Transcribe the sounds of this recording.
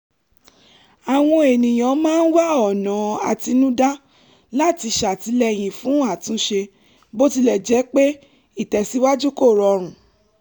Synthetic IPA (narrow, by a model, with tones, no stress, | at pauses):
a˨w̃ɔ̃˧e˨nĩ˨j̃ã˨˦mãː˦˧n̩˦wa˦˨ɔ˨nã˨˦a̰˨ti˧nũ˦da˦ | la˦˨ti˧ʃa˨ti˧˦lɛ˧j̃ĩ˨fũ˨˦a˦˨tũ˦ʃe˧ | bo˦ti˧lɛ˨d͡ʒɛ˨˦k͡pe˦ | i˦˨tɛ˨si˨˦wa˦d͡ʒu˦ko˦˨ɾɔ˨˧ɾ̃ũ˨